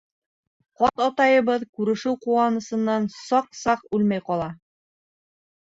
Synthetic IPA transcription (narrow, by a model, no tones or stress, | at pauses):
qɑt̪ɑt̪ɑjɤ̆βɤðkʉɾɘ̆ʃɘwquɑnɤ̆sɤ̆nːɑnsɑqsɑqʉlmæjqɑlˠɑ